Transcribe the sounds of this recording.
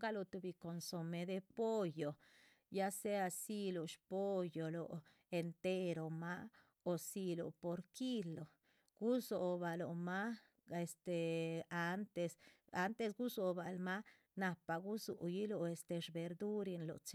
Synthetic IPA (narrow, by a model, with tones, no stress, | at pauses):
ɡa˦lo˧˨t̪u˧bi˧ko˨nso˨me˨d̪e˧po˦jo˨ | ja˦se˦a˧si˦lo˨ʃpo˦jo˨lo̰˨ | e˨nt̪e˦ɾo˨ma˦ | o˨si˧lo̰˨po˨ɾki˦lo˨ | ɡ̥u˦so˨ba˨lo̰˨ma˦ | e˨st̪e˨a˦nt̪e˧sa˦nt̪e˧sɡu˦so˨ba˨lma˦ | na˧pa˨ɡu˦sṵ˨ji˦lo˧e˨st̪e˧ʂbe˨ɾd̪u˦ɾi˧nlo̰˨t͡ʃ